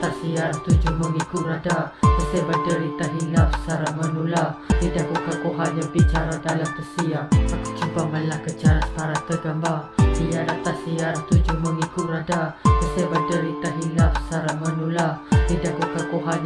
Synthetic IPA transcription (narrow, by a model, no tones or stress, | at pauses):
t̪asiaɾst̪ud͡ʒumənikuadaksebadəɾit̪aɦilafsaɾamənuladidaɡukakoɦaɲabit͡ʃaɾadalampəsiaakə̥t͡ʃubaməlahkət͡ʃaɾaspaɾat̪əɡambaijadat̪asiaɾst̪ud͡ʒumənikuɾadaəsebadəɾit̪aɦilafsaɾamənuladidakukakoɦaɲ